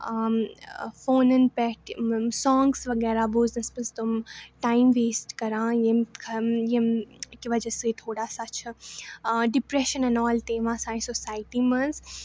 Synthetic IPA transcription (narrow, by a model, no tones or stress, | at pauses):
foːnənpɛʈsɔ̃ːŋɡsʋɐɡɛːɾaboːznɐspəst̪umʈaːimʋeːsʈkɐɾãːjemkʰɐjemkiʋɐd͡ʒəset̪ʰoːɽaːsat͡ʃʰɐ | ɖɪpɾeːʃənɐnɔːlt̪eːʋãːsãːĩsosaːjʈimɐz